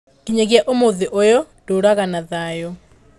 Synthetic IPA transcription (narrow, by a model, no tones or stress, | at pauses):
kiɲɛɣjaʔomoðeʔojɔ | d̥oɾaɣanaðajɔ